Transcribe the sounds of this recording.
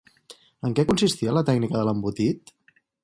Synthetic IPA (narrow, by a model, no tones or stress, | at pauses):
əŋkɛkunsist̪iələt̪ɛknikəðələmbut̪it̪